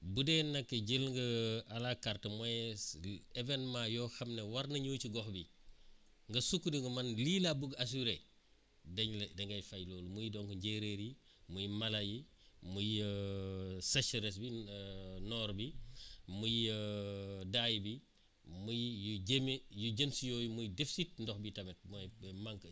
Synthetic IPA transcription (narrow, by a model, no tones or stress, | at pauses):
budɛːnːɐkːəɟilŋɡɐalakartəmɔjɛ | evɛnmãjɔxɐmnewɐɾnɐɲuːt͡ʃiɡɔxbi | ŋɡɐsukːudiŋɡɐmɐnliːlabuɡas̬uɾe | dɛɲldɛŋɡɐjfajlɔːlumujidɔŋkuɲɟeɾeːɾji | mujimɐlɐji | muj | sɐʃɐɾɛs̬bi | nɔːɾbimujədaːjbi | mujjuɟemjuɟemsijɔːjumujdefi̥sit̚ndɔxbitɐmɛt̚mɔmaŋk